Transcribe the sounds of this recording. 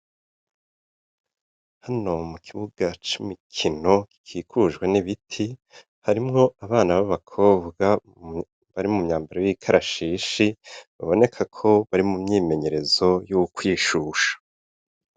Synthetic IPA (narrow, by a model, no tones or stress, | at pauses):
hano̞mukʰiβuɡ̥at͡ʃumikʰino̞ki̥kʰiːkʰuʒɡwe̞niβitʰi | haɾimŋo̞aβaːnaβaβakʰo̞ːβɡa | βaɾimumɲaːmbaɾojikʰaɾʔaʃiːʃiβa̰βo̞ne̞kʰakʰo̞βaɾimumɲiːme̞ɲe̞ɾe̞zo̞jukwiːʃuːʃḁ